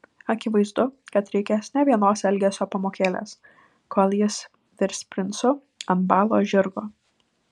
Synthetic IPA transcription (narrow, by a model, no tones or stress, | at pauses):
ɐkʲɪʋɐɪzd̪ʊkɐt̪ɾʲɛɪkʲɛsnʲɛʋʲiɛnoːsɛlʲɡʲeːsʲoːpɐmoːkʲeːlʲḛːs | kʰoːlʲˠjɪs | t̪ʲɪɾʲsʲpʲɾʲɪnsʊ | ɐnt̪bɑːlˠoːʒʲɪɾɡoː